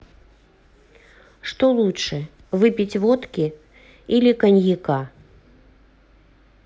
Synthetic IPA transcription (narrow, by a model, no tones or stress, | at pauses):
ʂt̪ɔlˠutʂɛ | vɨpʲit͡sʲvɔt̪kʲi | ilʲikɐnʲjika